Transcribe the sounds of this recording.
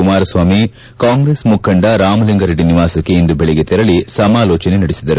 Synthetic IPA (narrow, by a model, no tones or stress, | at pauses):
umaːɾɐsʋaːmi | kaːŋɡɾeːsmukʰːɐɳɖɐɾaːmɐliŋɡɐɾeɖiniʋaːsɐkːeind̪ubeɭɛɡet̪ɛɾɐɭisɐmaːlɔːt͡ʃɐnenɐɽisid̪ɐɾu